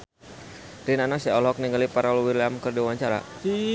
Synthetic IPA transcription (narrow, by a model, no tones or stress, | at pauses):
rinanasɛɔlɔk̚niŋɡalipaɾaluwirlɛamkərdiwaɲt͡ʃaɾa̰